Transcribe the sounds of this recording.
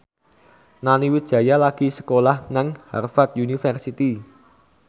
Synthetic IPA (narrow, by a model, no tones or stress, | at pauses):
naniwidʒ̥ä̤jalaɡ̥i̤sə̥kolahnaŋha̰rfat̪̚junifərsit̪i